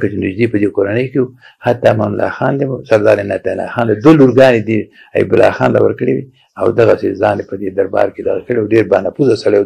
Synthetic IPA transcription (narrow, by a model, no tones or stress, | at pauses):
kat͡ʃɪnɪd͡ʒd̪ipəd̪ekoɾanəjkewu | hat̪ːɑmanʊlɑ̰xɑnd̪emsaɾd̪ɑɾenat̪ala̰xɑnlad̪woluɾɡɑned̪i | a̰jḭbʊlɑ̰xɑ̰nd̪a̰wə̰ɾkəɽḛwi | a̰wd̪aɣasezɑːnepəd̪ed̪aɾbɑ̰ɾked̪aɣakəɽeawɖeɾbɑnapuzasaɽe